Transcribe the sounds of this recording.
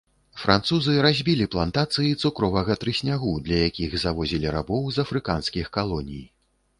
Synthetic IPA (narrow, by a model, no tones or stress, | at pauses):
fɾʔant̪suzɨɾazʲbʲilʲiplˠant̪at̪sɨjit̪sukɾɔvɐɣɐt̪ɾɨsʲnʲaɣud̪lʲɐjakʲiɣzavɔzʲilʲiɾa̰bɔwzɐfɾɨkanskʲixkalˠɔnʲḭj